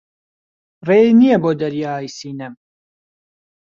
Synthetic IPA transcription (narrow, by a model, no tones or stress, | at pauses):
reːnijɛbod̪ɐɾjaːjsiːnɛm